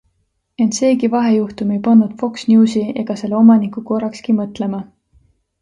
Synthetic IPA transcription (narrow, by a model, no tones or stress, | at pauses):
e̞nt̪se̞ːkivɑɦe̞juht̪ume̞jpɑnːud̪̥fo̞ksnʲuːsie̞̰ɡ̥ɑse̞lːeomɑnikˑuko̞rːɑkskimɤt̪le̞mɑ